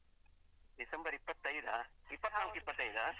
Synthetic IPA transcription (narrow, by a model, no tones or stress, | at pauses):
d̪ɪsɐmbɐɾipːɐt̪ːɐjd̪aipːɐt̪ːnaːmkːipːɐt̪ːɐjðaː